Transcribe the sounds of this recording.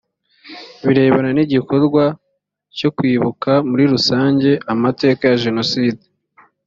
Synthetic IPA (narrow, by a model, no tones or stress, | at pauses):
βiɾe̞ːβananiɟiko̞ɾɡwa | co̞kwiːβukamuɾiɾusaːɲɟe̞amate̞ːkajaʒe̞no̞siːde